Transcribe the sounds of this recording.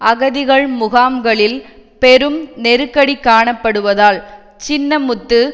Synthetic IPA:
ɐɣɐðɪɣɐɭmʊɣaːmɡɐɭɪl | pɛɾɯmnɛɾɯkːɐɽikːaːɳɐpːɐɽɯʋɐðaːɭ | t͡ʃɪnːɐmʊt̪ːɯ

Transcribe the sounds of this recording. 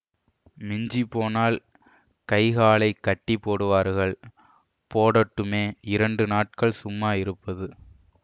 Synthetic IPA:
mɪɲd͡ʒipːoːnaːl | kɐɪɣaːlɐɪkːɐʈːipːoːɽɯʋaːɾɣɐɭ | poːɽɐʈːɯmeːɪɾɐɳɖɯnaːʈ̚kɐɭsʊmːaːɪɾɯpːɐðɯ

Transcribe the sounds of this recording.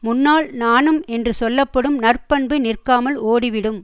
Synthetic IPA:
mʊnːaːlnaːnɯmɛndrɯsɔlːɐpːɐɽɯmnɐrpɐɳbɯnɪrkaːmɐloːɽɪʋɪɽɯm

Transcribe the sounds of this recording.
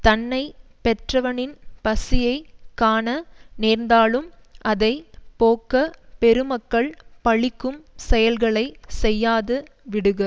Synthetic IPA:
t̪ɐnːɐɪpɛʈrɐʋɐnɪnpɐsɪjɐɪkaːnɐneːɾnd̪aːlɯmʔɐðɐɪpoːkɐpɛɾɯmɐkːɐɭpɐɭɪkːɯmsɛjɐlɣɐɭɐɪsɛjːaːðɯ | ʋɪɽɯɣɐ

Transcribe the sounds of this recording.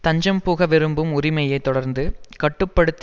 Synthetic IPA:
t̪ɐɲd͡ʒɐmpuːɣɐʋɛɾɯmbɯmʊɾɪmɐjɐɪt̪ːɔɽɐɾnd̪ɯkɐʈːɯpːɐɽɯt̪ː

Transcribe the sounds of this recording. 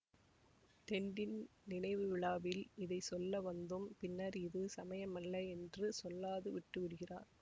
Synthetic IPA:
t̪ɛɳɖɪn | nɪnɐɪʋɯʋɪɭaːʋɪlɪðɐɪsɔlːɐʋɐnd̪ɯmpɪnːɐɾɪðɯsɐmɐjɐmɐlːɐɛndrɯsɔlːaːðɯʋɪʈːɯʋɪɽɯɣɪraːɾ

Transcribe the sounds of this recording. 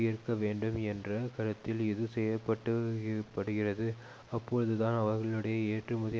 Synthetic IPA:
jɪɾɯkːɐʋeːɳɖɯmɛndrɐkɐɾɐt̪ːɪlɪðɯsɛjɐpːɐʈːɯpːɐɽɯɣɪrɐðɯ | ɐpːɔɻɯðɯt̪aːnɐʋɐɾɣɐɭɯɽɐjɐeːʈrɯmʊðɐ

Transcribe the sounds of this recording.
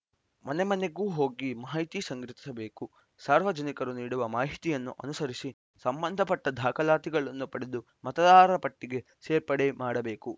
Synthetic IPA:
mɐnemɐne̞ɡuːɦo̞ːɡimɐɦjt̪isɐŋɡɾit̪i̥sɐbe̞ːku | saːɾʋɐd͡ʒɐnikɐɾuniːɽuʋɐmaːɦit̪ijɐnːuʔɐ̰nusɐɾisi | sɐmbɐnd̪ʱɐpɐʈːɐd̪ʱaːkɐlaːt̪iɡɐɭɐnːupɐɽed̪u | mɐt̪ɐd̪aːɾɐɾɐpɐʈːiɡe̞ | seːɾpɐɽemaːɽɐbe̞ːku

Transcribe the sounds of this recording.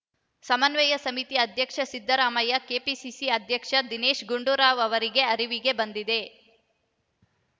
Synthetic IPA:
sɐmɐnʋɛjɐsɐmit̪iɐd̪ʱjɐkʂɐsid̪ʱːɐɾaːmɐjɐkeːpisisiɐd̪ʱjɐkʂɐd̪ineːʃɡuɳɖuɾaːʋɐʋɐɾiɡe̞ɐɾiʋiɡe̞bɐnd̪id̪e̞

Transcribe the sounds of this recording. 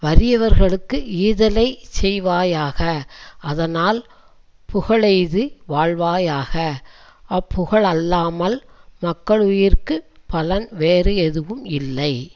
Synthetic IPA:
ʋɐɾɪjɐʋɐɾɣɐɭɯkːɯiːðɐlɐɪsɛjʋaːjaːɣɐʔɐðɐnaːl | pʊɣɐɭɐɪðɯʋaːɻʋaːjaːɣɐ | ɐpːʊɣɐɭɐlːaːmɐlmɐkːɐɭʊjɪrkɯpɐlɐnʋeːɾɯɛðɯʋɯmɪlːɐɪ

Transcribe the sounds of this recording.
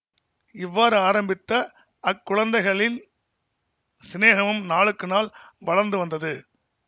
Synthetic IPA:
ɪʋːaːɾɯaːɾɐmbɪt̪ːɐ | ʔɐkːʊɻɐnd̪ɐɪɣɐɭɪn | sɪneːɣɐmɯmnaːɭɯkːɯnaːlʋɐɻɐɾnd̪ɯʋɐnd̪ɐðɯ

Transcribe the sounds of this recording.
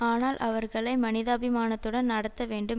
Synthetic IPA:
aːnaːlʔɐʋɐɾɣɐɭɐɪmɐnɪðaːbɪmaːnɐt̪ːɯɽɐnnɐɽɐt̪ːɐʋeːɳɖɯm

